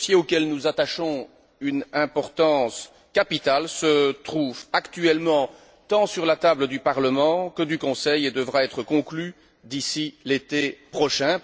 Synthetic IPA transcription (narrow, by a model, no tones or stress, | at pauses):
sjeokʲɛlnuzat̪aʃɔ̃ | ynɛ̃pɔʁt̪ɑ̃s | kapit̪alsət̪χuvakt̪yɛlmɑ̃ | t̪ɑ̃syʁlat̪abləd̪ypaʁləmɑ̃kəd̪ykɔ̃sɛjed̪əvʁaɛt̪χəkɔ̃kly | d̪isilet̪epχɔʃɛ̃